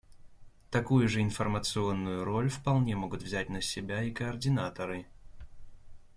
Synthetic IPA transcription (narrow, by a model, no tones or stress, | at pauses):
t̪ɐkujʊʐɨɪnfərmət̪sɨo̞nːʊjʊɾo̞lʲfpɐlˠnʲemo̞ɡʊt̪vzʲæt̚ʲnəsʲɪbʲaikəɐrdʲɪnat̪əɾɨ